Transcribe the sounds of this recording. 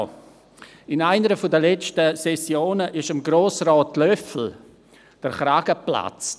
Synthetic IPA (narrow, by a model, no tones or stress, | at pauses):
ɪnaɪnəɾəfodəlɛt͡stəsɛsjoːnəʔɪʃəmɡɾoːsraːtlœfl̩ | d̥əɾχɾaɡ̥əpla̰t͡s